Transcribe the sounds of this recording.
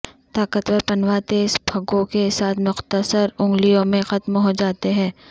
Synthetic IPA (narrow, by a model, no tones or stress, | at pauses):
t̪aːkət̪ʋəpɐnwat̪eːsb̥ʱɐɡõkesaːt̪ʰmʊxt̪əsəɾʊ̃ŋɡlijõmẽxɐt̪mɦod͡ʒaːt̪eɦɛ̃ː